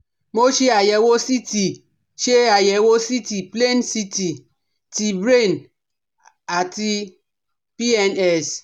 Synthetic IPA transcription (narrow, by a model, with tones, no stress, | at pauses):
mo˦t͡ʃi˦a˨jɛ˨wo˦si˦ti˨ | ʃe˦a˨jɛ˨wo˦si˦ti˨ple˦nsi˦ti˨ | ti˨bɾe˦˨n | a˨ti˦ | pi˦ɛ˦nɛ˦˨s